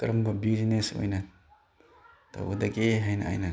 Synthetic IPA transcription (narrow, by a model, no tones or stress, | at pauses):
kɾɐmbɐbizineso̰jnɐ | tʰa̰wɐdɐɡeɦajnɐ̰a̰jnɐ